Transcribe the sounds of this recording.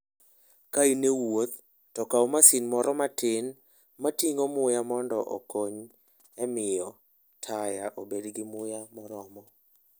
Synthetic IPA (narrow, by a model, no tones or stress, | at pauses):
kainewot̪ | tɔkaomasinmɔɾɔmatɪn | matiŋomʊjamɔndɔʔo̰koɲ | ɛmɪjɔ | tʰajaʔobedɡɪmʊjamɔɾɔmɔ